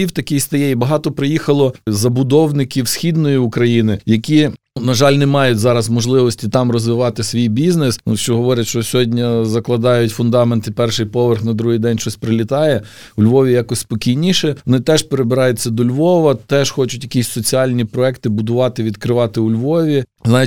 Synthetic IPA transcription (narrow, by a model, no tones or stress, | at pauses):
iwt̪ɐkʲijst̪ɐjɛibɐɦɑt̪ɔpɾɪjixɐlˠɔzɐbʊd̪ɔwnɪkʲiwsʲxʲid̪nɔjiʊkɾɐjinɪjɐkʲi | nɐʒɑlʲnɛmɑjʊtʲzɑɾɐzmɔʒlˠɪʋɔsʲtʲit̪ɑmrɔzʋɪʋɑt̪ɪsʲʋʲijbʲiznesnuʃt͡ʃɔɦɔʋɔɾʲɐt̪ʲʃt͡ʃɔsʲɔɦɔdʲnʲɐzɐklˠɐd̪ɑjʊtʲfʊnd̪ɑment̪ɪpɛrʃɪjpɔʋerxnɐd̪ɾuɦɪjd̪ɛnʲʃt͡ʃɔsʲpɾɪlʲit̪ɑjɛ | ʊlʲʋɔʋʲijɑkɔsʲspɔkʲijnʲiʃɛɔnɪt̪ɛʒpeɾebɪɾɑjʊt͡sʲːɐd̪ɔlʲʋɔʋɐt̪ɛʒ̥xɔt͡ʃʊtʲjɐkʲisʲsɔt͡sʲiɑlʲnʲipɾɔɛkt̪ɪbʊd̪ʊʋɑt̪ɪʋʲid̪kɾɪʋɑt̪ɪʊlʲʋɔʋʲi | znɑj